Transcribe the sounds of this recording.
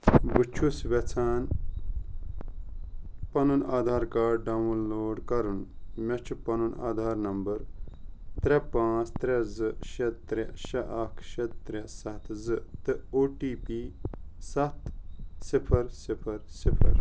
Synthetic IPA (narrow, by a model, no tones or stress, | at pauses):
bɨt͡ʃʰusʋɐt͡sʰaːn | pɐnunaːd̪ʱaːɾkaːɖɖɐʋnloːɖkɐɾunmɐt͡ʃʰupɐnuna̰ːd̪ʱaːɾnɐmbɐɾ | t̪ɾepãːt͡st̪ɾezɨʃɐt̪t̪ːɾeʃɐʔɐkʰʃɐt̪ːɾesɐt̪ʰzɨt̪ɨoːʈiːpiːsɐt̪sipʰɐɾsipʰɐɾsipʰɐɾ